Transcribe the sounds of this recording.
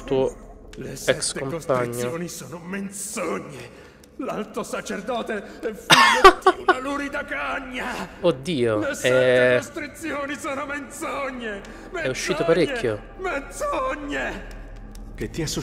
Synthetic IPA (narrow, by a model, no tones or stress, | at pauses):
t̪uːolesɛɛksk̪ːkomkostpaaɾɲːjooːnisoːnomensoɲːe | lalt̪osat͡ʃerd̪ɔːt̪eɛft̪aluɾid̪akaɲːaod̪ːiːolesɛost̪ɾit̪sjoːnisoːnoment̪soɲːe | mɛuʃːiːt̪opaɾekʲːjo | ment̪soɲːe | ket̪ːiasu